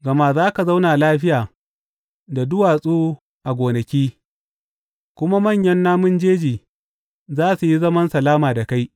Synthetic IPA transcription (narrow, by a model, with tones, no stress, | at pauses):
ɡɐ˨ma˦zaː˦ka˨za˦wnaː˨laː˦ɸɪ˦jaː˨ | da˨dʊ˦waː˨sʼuː˦ | ʔa˨ɡʷoː˨nɐ˨kʲiː˦ | kʷʊ˦ma˦mɐ˦˨ɲjɐ˦nːaː˦mʊ˦nd͡ʒeː˦d͡ʒiː˨ | zaː˦su˨ji˦zɐ˦mɐ˦nsɐ˨laː˦maː˨da˨ka˦j